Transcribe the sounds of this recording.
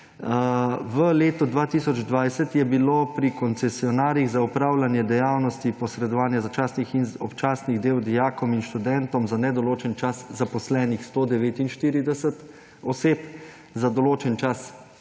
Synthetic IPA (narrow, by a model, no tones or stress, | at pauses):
ʋəleːt̪ɔd̪ʋaːt̪iːsɔd͡ʒd̪ʋajsɛt̪jɛbiloːpɾikɔnt̪sɛsiɔnaːɾjiɣzaupɾaːwlanjɛd̪ɛjaːwnɔst̪ipɔsɾɛd̪ɔʋaːnjazat͡ʃaːsnixinɔpt͡ʃaːsniɣd̪eːwd̪ijaːkɔminʃt̪ud̪ɛnt̪ɔmzanɛd̪ɔloːt͡ʃɛnt͡ʃaszapɔslɛːnixst̪oːd̪ɛʋeːt̪inʃt̪iːɾid̪ɛsət̪ | ɔseːp | zad̪ɔloːt͡ʃɛnt͡ʃas